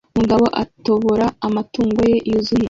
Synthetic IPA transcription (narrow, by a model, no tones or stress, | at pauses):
muɡaβo̞ʔa̰to̞βoɾaːmatuːŋɡo̞je̞ʔizuhi